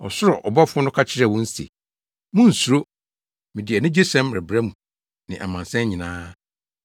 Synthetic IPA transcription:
ɔ̰˨sʊ˦ɾɔ˨ʔɔ˨ba˦fʊ˦ɔ˦nʊ̃˦kʰa˦t͡ɕʰɪ˦ɾɛ˦˨wɔ̃˦n̩˦sḛ˨ | mʊ̃˦n̩˨su˨ɾo˦ | mɪ̃˨dɪ˨ɛ˨nɪ̃˦d͡ʑe˦sɛ̃˦mɾɛ˨bɾɛ˦mũ˨ | nɪ̃˨ʔa̰˨mã˨nsɛ̃˦ɲĩ˨nãː˦

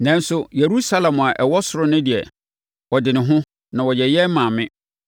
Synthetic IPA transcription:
nɛ̃˦n˦sʊ˦je˨ɾu˦sa˦lɛ̃˨m˨a˨ʔɛ˨wɔ˦sʊ˨ɾʊ˦nʊ̃˦di˨ɛ̰˨ | ɔ˨dɪ˨nɪ̃˨ɦʊ̃˦ | nã˨wɔ˨jɛ˨jɛ˦mã˨mɪ̃˦

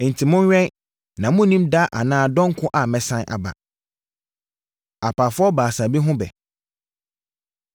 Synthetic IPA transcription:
n̩˨tʰi˨mʊ̃˦n˦ɥᶣɛ̃˦n | nã˨mʊ̃˦nĩ˦mda˦ʔa̰˨nãː˦dɔ̃˦ŋ˦kʰʊ̃˦ʔa˨mɛ˨sã˦nʔa̰˨ba̰˨ | a˨pʰa˨fʊ˦ɔ˦baː˨sã˨bi˦ɦʊ̃˦bɛ̰˨

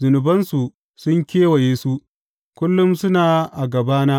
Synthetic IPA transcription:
zʊ˨nʊ˨bɐ˦nsu˨ | sʊ˦ŋkʲeː˦wa˨jeː˦su˦ | kʷʊ˦lːʊ˦msʊ˦naː˨ʔa˨ɡɐ˨baː˦naː˦

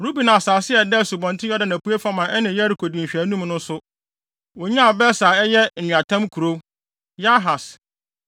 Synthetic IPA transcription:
ɾu˦bi˨nã˨saː˨sɪ˦ɛ˨dɛ˦˨su˨bɔ̃˨ntʰɪ̃˦ɔ˦dɪ˦˨nã˨pu˦e˦fa˦mã˨ɛ˦nɪ̃˨jɛ˦ɾi˨kʰo˨dĩ˨ɕᶣæ˨˦nũ˦mnʊ̃˦sʊ˦ | wo˨ɲã˦a˨bɛ˦sa˨ɛ˦jɛ˦n̩˨ũ˨a˨tʰã˦mkʰu˨ɾo˦ | ja˦ɦa˨s

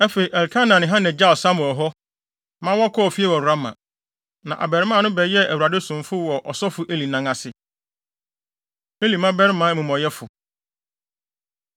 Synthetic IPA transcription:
æ˦fe˨i˨ʔɛ˨lkʰa˦nã˨nɪ̃˨ɦã˦nɛ̃˨d͡ʑa˦˨lsa˦mʊ̃˨ɔ˨ɦɔ˦ | mã˦wɔ˦kʰɔ˦ɔ˨fi˦ɛ˦wɔ˨ɾa˦mã̰˨ | nã˨ʔa̰˨bɛ˨ɾɪ˦mã˦˨nʊ̃˦bɛ˨˦jɛ˦ʔæ˨wu˨ɾa˨dɪ˦sʊ̃˨mfʊ˦wɔ˨ʔɔ˨sɔ˦fʊ˨ʔe˦li˨nã˦ŋa˨sɪ˨ | e˦li˨mã˦bɛ˦ɾɪ˦mã˨˦˨mũ˨mɔ̃˨jɛ˦fʊ˨

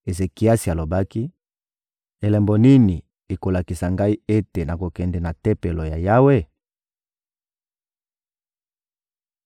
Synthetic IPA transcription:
e˨ze˨ki˨a˦si˨a˨lo˨ba˦ki˦ | e˨lɛ˨mbɔ˨ni˦ni˨ | e˨ko˨la˨ki˨sa˨ŋɡa˦i˦e˦te˨na˨ko˨kɛ˨ndɛ˨na˨tɛ˦pe˨lɔ˨ja˨ja˦we˦

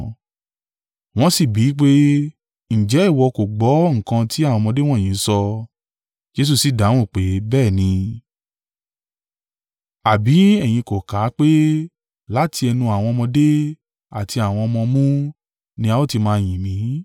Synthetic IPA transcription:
w̃ɔ̃˧˦si˦˨bi˨˦k͡pe˦ | n̩˨d͡ʒɛ˨˦i˦˨wɔ˧ko˨ɡ͡bɔ˨˦ŋ̩̃˨kã˧ti˨˦a˦˨wɔ̃˧mɔ̃˧de˦w̃ɔ̃˦˨ĩ˨˦sɔ˧ | d͡ʒe˧˦s̬u˦˨si˨da˨˦w̃ũ˦˨k͡pe˨˦bɛː˦˨nĩ˧ | a˨bi˨˦ɛ˦˨j̃ĩ˧ko˨ka˨˦k͡pe˦ | la˦ti˧˦ɛ˧nũ˧a˨w̃ɔ̃˧ɔ˧mɔ̃˧de˦ | a˨ti˧a˨w̃ɔ̃˧ɔ˧mɔ̃˧mũ˦ | nĩ˦a˦o˦˨ti˧mãː˧˨j̃ĩ˨mĩ˨˦

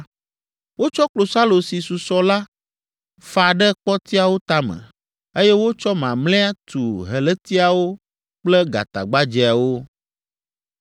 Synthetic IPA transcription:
wo˦t͡ʃɔ˦klo˨sa˦lo˨si˨su˨sɔ˨la˦ | fa˨ɖɛ˦k͡pɔ˦t̪i˦a˨wo˦t̪a˦mə̰̃˨ | e˦jɛ˦wo˦t͡ʃɔ˦mã˨mlɛ̃˦a˦t̪u˨ɦɛ˨lɛ˦t̪i˦a˨wo˦ | k͡plɛ˦ɡa̰˨t̪a̰˨ɡ͡ba˦d͡ʒɛ˨a˨wo˦

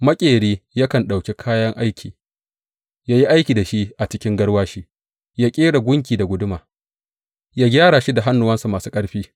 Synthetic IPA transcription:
mɐ˦kʲʼeː˨ɽiː˦ja˦kɐ˨nɗa˨wkʲe˦kʰaː˦jɐ˦ŋʔa˦jkʲʰiː˨ | jaː˦ji˦ʔa˦jkʲiː˨da˨ʃi˦ʔʔa˨t͡ʃɪ˦kʲɪ˦ŋɡɐ˦ɽwaː˦ʃi˦ | jaː˦kʲʼeː˦ɽa˨ɡʷʊ˦ŋk̬ʲiː˨da˨ɡʷʊ˦dʊ˦maː˨ | jaː˦ɡʲaː˦ɽaː˨ʃi˦da˨ɦa˦nːʊ˨wɐ˦nsu˨maː˨su̥ː˦kʼɐ˦ɽɸiː˦

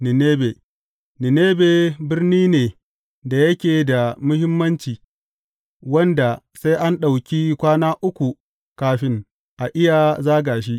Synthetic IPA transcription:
nɪ˨neː˦be˨ | nɪ˨neː˦be˨bɪ˦rniː˦neː˨ | da˨jɐ˦kʲeː˨da˨mʊ˦hɪ˦mːɐ˦nt͡ʃiː˨ | wɐ˦nda˨ | sa˦ʔa˦nɗa˨wkʲi˦kʷaː˦naː˦ʔʊ˦kʷu˨ | kaː˦ɸɪ˦ŋ | ʔa˨ʔɪ˦ja˨zaː˦ɡaː˨ʃ̬i˦ʔ

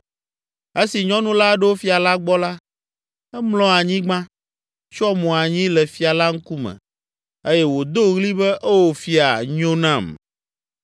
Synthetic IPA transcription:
e˦si˨ɲɔ̃˦nũ˦la˦ɖɛ˦wo˦fi˦a˨la˦ɡ͡bɔ˦la˦ | ɛ˦mlɔ̃˦a˨ɲĩ˦ɡ͡bã˦ | t͡ʃɔ˦mɔ̃˨a˨ɲĩ˦lɛ˨fi˨a˨la˦ŋ̩˦ku˦mɛ̰̃˨ | e˦jɛ˦wo˨d̪o˦ɣli˦bɛ˦ʔe˦wo˨fi˦a̰˨ɲõ˦nã˦˨m

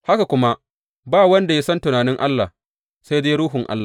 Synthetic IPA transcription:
ha˦ka˨kʷʊ˦ma˦ | baː˦˨wɐ˦nda˨ja˦sɐ˦ntʊ˨naː˨nɪ˦ŋʔa˦lːa˨ | sa˦jdeː˦ɾuː˦ɦʊ˨ŋʔa̰˦lːa˨

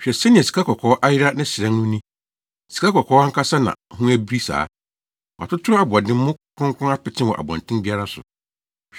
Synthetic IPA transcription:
ɕᶣɛ˨sɛ˦nɪ̃˨ɛ˨si̥˨kʰa˦kʰɔ˨kʰɔ˨˦ʔa˦jɪ˦ɾa˦nɪ̃˦sɪ˨ɾã˦nʊ̃˦nĩ˦ | si̥˨kʰa˦kɔ˨kʰɔː˦a˦ŋ̩˦kʰa˦sa˦nã̰˨hũ˦æ˦bi˦ɾi˦sa̰ː˨˦ | wa̰˨tʊ˦tʰʊ˦a˦bʊ˨a˨dɪ̃˦m˦mʊ̃˦kʰʊ̃˦ŋkʰʊ̃˦a˦pɪ˨tʰɪ̃˦wɔ̰˨ʔa̰˨bã̰˨ntʰɪ̃˦mbi˦a˦ɾa˦sʊ̰˨

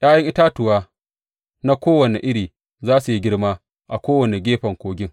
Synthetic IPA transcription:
j̰ʲaː˦jɐ˦ŋʔɪ˦taː˦tʊ˨waː˦ | na˦kʷoː˦wɐ˨ne˨ʔɪ˦ɽiː˨ | zaː˦su˨ji˦ɡʲɪ˦ɽmaː˦ | ʔa˨kʷoː˦wɐ˨ne˨ɡʲeː˦ɸɐ˨ŋkʷoː˨˦ɡʲɪ˦ŋ

